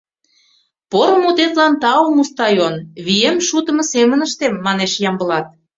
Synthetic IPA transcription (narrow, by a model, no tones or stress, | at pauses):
poɾə̆mut̪et̪lɑnt̪ɑomust̪ɑjonβiemʃut̪ə̆mɤ̆semənəʃt̪emːɑneʃjɑmbə̆lɑt̪̚